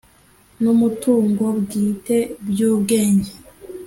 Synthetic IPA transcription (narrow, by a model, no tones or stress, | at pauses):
numutuːŋɡo̞bɡiːte̞bjuːbɡe̞ːɲɟe